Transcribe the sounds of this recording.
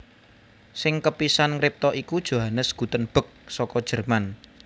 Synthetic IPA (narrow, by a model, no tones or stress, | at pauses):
sɪŋkəpisanŋɾɪp̚t̪ɔʔikud̥ʒ̥o̤ɦanəsɡ̥ut̪ənb̥ə̤k̚sɔkɔd̥ʒ̥ə̤rman